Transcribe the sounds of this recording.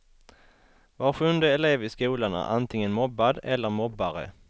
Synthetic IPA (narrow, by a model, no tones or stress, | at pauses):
vɑːɧʉnd̪əɛleːvɪskuːlanæ̰ʔant̪ʰɪŋənmɔbːad̪ɛlːəɾmɔbːaɾə̰